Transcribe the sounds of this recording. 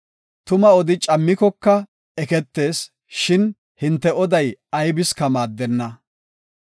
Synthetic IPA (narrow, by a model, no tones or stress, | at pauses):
t̪ʊmɐɔd̪ɪt͡ʃʼɐmːɪkɔkːɐ | ɛkɛt̪ːe̞ːs | ʃɪn | hɪnt̪ːɛɔd̪ɐjɐjbɪskɐmaːd̪ːɛnːɐ